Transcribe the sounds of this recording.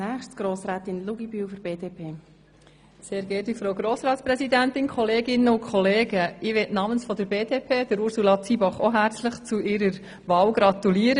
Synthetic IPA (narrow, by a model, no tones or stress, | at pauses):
næːχʃtɡ̥ɾoːsɾɛːt̪ɪnluɡibyːwfɔɾbeːd̥eːpʰeː | seːɾɡɛtifɾowɡɾoːsɾɑːtspɾɛsidæntɪnkχɔleːɡɪnːəʊkʰχɔleːɡəɪʋɛtnɑmənsfɔd̥əɾbeːd̥epʰeːd̥əɾuɾsulɑt͡sibɑχɔɦæɾt͡sləχt͡suʔɪɾəɾ | ʋɑːlɡ̥ɾɑt̪uliːəɾə